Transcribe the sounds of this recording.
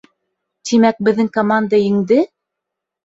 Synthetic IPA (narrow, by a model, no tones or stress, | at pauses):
t̪imæk̚bɘ̆ðːɘŋkomand̪ajɘ̆ŋd̪ɘ